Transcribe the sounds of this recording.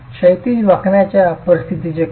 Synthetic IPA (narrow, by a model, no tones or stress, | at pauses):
ɕəjt̪iʋəkʰɳjat͡ɕjapəɾist̪ʰit̪id͡ʑe